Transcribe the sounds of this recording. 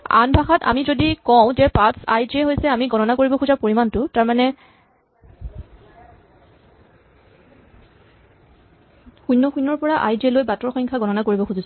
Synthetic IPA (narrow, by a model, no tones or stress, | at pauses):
a̰nbʱaxata̰mizodikɔʊ̃zɛpasa̰jdiɛɦojsɛamiɡɔnɔnakoɹibɔkʰuzapoɹimantʊtaɹmanɛ | xujnːɔxujnːɔɹpɔɹaʔajdiɛlojbatɔɹxɔŋkʰaɡɔnɔnakoɹibɔkʰuzis